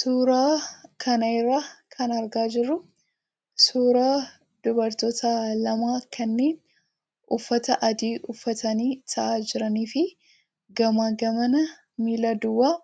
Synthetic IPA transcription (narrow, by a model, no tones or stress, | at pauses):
suːɾaːkʰɐnɐɪrːaːkʰɐnɐɾɡaːd͡ʒɪrːʊ | suːɾaː | d̪̥ʊbɐɾt̪oːt̪ʰɐlɐmaːkʰɐnːe̞ːn | ʔʊfːɐt̪ɐʔɐd̪iːʔʊfːɐt̪ɐniːt̪ʰɐʔaːd͡ʒɪɾɐniːfɪ | ɡɐmaːɡɐmɐnɐ | miːlaːd̪ʊwːaː